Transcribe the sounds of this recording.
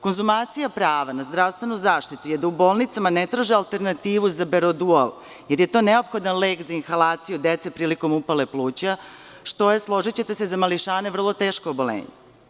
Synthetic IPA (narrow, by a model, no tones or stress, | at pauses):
ko̞nzumaːt̪sijapɾaːʋanazd̪ɾaʋst̪ʋe̞nuzaːʃt̪it̪ujed̪aubo̞ːlˠnit̪samanet̪ɾaʒialˠt̪e̞ɾnat̪iːʋuzabeɾod̪uolˠ | jeɾjet̪o̞ːneo̞pxo̞d̪anleːkzainxalaːt̪sijud̪et̪se̞pɾiːliko̞mupale̞plˠuːt͡ɕa | ʃt̪o̞jeslˠo̞ʒit͡ɕe̞t̪esezamaliʃaːne̞vr̩lˠo̞t̪eːʃkoobo̞lḛːɲḛ